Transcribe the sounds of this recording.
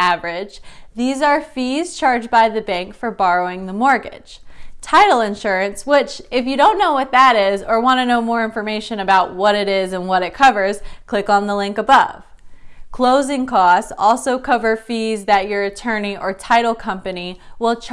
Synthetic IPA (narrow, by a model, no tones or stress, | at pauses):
ævə˞ɪd̥d͡ʒðizə˞fiz̥t͡ʃʰɑɹd͡ʒbaɪðɨbæ̃ŋkfə˞bɑɹoʊɪ̃ŋðəmɔɹɡɪ̰d̥ʒ̥tʰaɪɾl̩ˠɪ̃nʃʊɹɨ̃nswɪt͡ʃɪfjɨɾõʊ̃nːoʊwʌt̪̚ðəɾɪzə˞wɑ̃ñɨnoʊmɔɹɪ̃ɱfə˞meɪʃɨ̃nɨbaʊt̚wʌɾɨɾɪzɨ̃nwʌɾɨt̚kʰʌvə˞z̥kʰl̥ɪkn̩ðəlɪ̃ŋkəbʌv̥ | kʰl̥oʊzɪ̃ŋkʰɔstɔlˠsoʊkʰʌvə˞fizðɨt͡ʃə˞ɨtʰɜ̃˞niʔə˞tʰaɪɾl̩ˠkʰʌ̃mpɨniwɪlˠt͡ʃʰ